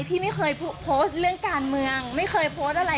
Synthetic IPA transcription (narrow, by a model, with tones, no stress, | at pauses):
jpʰiː˥˩ma˥˩jxɤː˧jpʰpʰo˦˥st̪̚ɾɯ˥˩əŋkaː˧nmɯ˧əŋma˥˩jkʰɤː˧jpʰoː˦˥st̪̚ʔa˧ɾa˧